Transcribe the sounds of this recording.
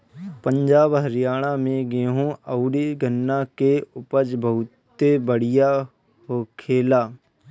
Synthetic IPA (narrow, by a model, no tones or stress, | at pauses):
pə̃ɲd͡ʒaːbɦəɾɪjaːɽ̃amẽɡeːɦũəʊɖiɡənːakeʊpəd͡ʒbəʊt̪ː | ebəɽ̤ɪja | ɦoːkʰeːlaː